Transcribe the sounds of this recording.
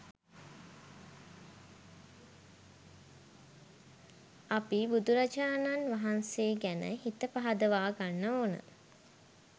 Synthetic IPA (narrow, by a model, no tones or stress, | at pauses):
apibud̪uɾad͡ʒaːnanʋaɦanseːɡænə̰ɦit̪əpaɦad̪əʋaːɡanːəoːnə̰